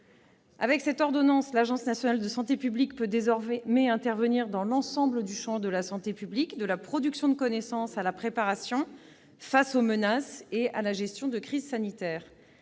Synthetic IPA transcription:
avɛksɛt̪ɔʁd̪ɔnɑ̃slaʒɑ̃snasjɔnald̪əsɑ̃t̪epyblikpød̪ezɔʁmɛɛ̃t̪ɛʁvəniʁd̪ɑ̃lɑ̃sɑ̃bləd̪yʃɑ̃d̪əlasɑ̃t̪epyblikd̪əlapχɔd̪yksjɔ̃d̪əkɔnɛsɑ̃salapχepaʁasjɔ̃ | fasomənasealaʒɛst̪jɔ̃d̪əkχizsanit̪ɛːʁ

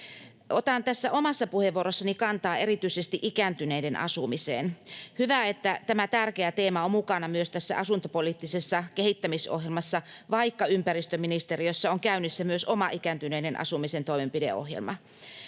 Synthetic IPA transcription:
ʔot̪ɑnt̪æsːæʔomɑsːɑpuheʋuoɾosːɑnikɑnt̪ɑːeɾit̪yisest̪iʔikænt̪yneidenʔɑ̰sumisḛːnhyʋæet̪ːæt̪æmæt̪ærkeæt̪eːmɑommukɑnɑmyøst̪æsːæ̰ʔɑsunt̪opoliːt̪ːisesːɑkehit̪ːæmiso̰hjelmɑsːɑ | ʋɑikːɑympærist̪øminist̪erijosːɑoŋkæynysːæmyøsomɑʔikænt̪yneidenʔɑ̰sumisent̪oimempidḛo̰hjḛlmɑ

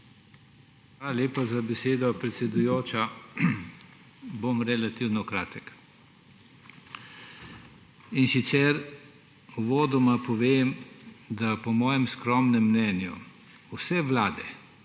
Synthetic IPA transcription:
xʋalalʲeːpazabɛseːd̪ɔpɾɛt̪sʲɛd̪ujoːt͡ʃa | bomɾɛlat̪iwnɔkɾa̰ːt̪ək | insit̪sɛɾ | uʋoːd̪ɔmapɔʋeːmd̪apɔmɔːjɛmskɾɔmnɛmːnɛnjṵ | wsɛʋlaːd̪ɛ

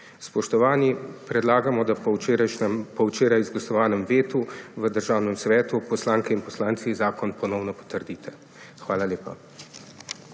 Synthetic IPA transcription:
spɔʃt̪ɔʋaːnipɾɛd̪laːɡamɔd̪aɾaɛmpɔwt͡ʃeːɾajzɡlasɔʋaːnɛmʋeːt̪uʋəd̪əɾʒaːwnɛmsʋɛːt̪upɔslaːŋkɛinpɔslaːnt̪sizaːkɔnpɔnɔwnɔpɔ̥t̪əɾd̪iːt̪ʰɛ | xʋaːlaleːpa̰

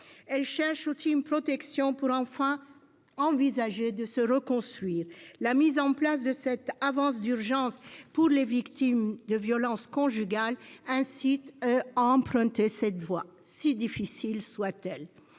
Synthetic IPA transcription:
ɛlʃɛʁʃosiynpχɔt̪ɛksjɔ̃puʁɑ̃fɛ̃ | ɑ̃vizaʒed̪əsəʁəkɔ̃st̪χɥiːʁlamizɑ̃plas̬d̪əsɛt̪avɑ̃s̬d̪yʁʒɑ̃spuʁlevikt̪imd̪əvjɔlɑ̃skɔ̃ʒyɡalɛ̃sit̪aɑ̃pχɛ̃t̪esɛt̪vwa | sid̪ifisilswat̪ɛl

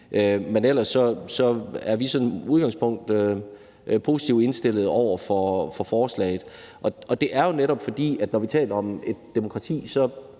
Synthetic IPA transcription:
ʔømenel̰ɐsːɒ̽sɒ̽æɐʋisɒ̽nuð̞ˠɡ̥ɑ̈ŋspʰɔ̽ŋ̰d̥ø | pʰo̝ːsi̥t͡sʰiʊde̝nsd̥e̝l̰ð̞̩ˠɒʊ̰ɐfɒfɒ̽fɒːslɛ̰ːɪð̩ˠ | ʔɒ̽ɒ̽d̥e̝ʔæɐjo̝neɾɒ̽b̥fɒ̽d̥ḭːæd̥nɒʋit͡sʰɛ̰ːlɐɒ̽me̝d̥ːemo̝kʰʁɑ̈t͡sʰḭːsɒ̽

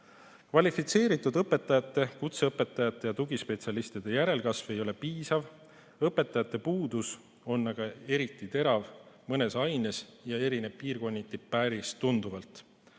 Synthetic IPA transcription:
kvɑlʲifit̪se̞ːɾit̪ːˑud̪ɤpːe̞t̪ːˑɑjɑt̪ːˑe̞kut̪se̞ɤpːˑe̞t̪ːˑɑjɑt̪ːˑe̞jɑt̪uɡispe̞t̪sʲiɑlist̪id̪̥e̞jæɾe̞lkɑsve̞jo̞le̞piːsɑv | ɤpːˑe̞t̪ːˑɑjɑt̪ːˑe̞puːd̪̥us | o̞nːɑɡ̥ɑe̞ɾit̪ːˑit̪e̞ɾɑvmɤne̞sɑjne̞sjɑe̞ɾine̞b̥̚piːrko̞nʲːit̪ːippːæɾistt̪und̪uvɑlt̪ˑ

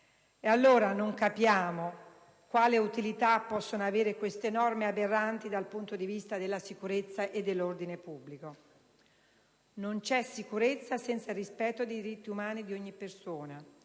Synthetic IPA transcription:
ealːoːɾanoŋkapːjaːmo | kwaːleut̪ilit̪apːɔsːonoaveːɾekwest̪enɔrmeaberːant̪id̪alpunt̪od̪ivist̪ad̪elːasikuɾet̪sːaʔed̪ːelːord̪inepubːliko | nont͡ʃɛsikuɾet̪sːasɛnt̪sarispɛt̪ːod̪ejd̪iɾit̪ːiumaːnid̪ioɲːipːersoːna

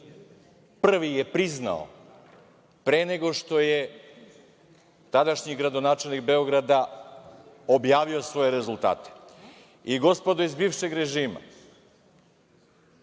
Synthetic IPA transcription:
pr̩ʋijepɾizna̰o̰ | pɾeːne̞ɡo̞ʃt̪o̞je̞ | t̪ad̪aʃɲiɡɾad̪o̞naːt͡ʃe̞lnikbe̞oɡɾad̪a | o̞bjaːʋio̞sʋo̞je̞ɾe̞zulˠt̪a̰ːt̪e̥ | iɡo̞spod̪oizbiːʋʃe̞ɡɾe̞ʒiːma̰

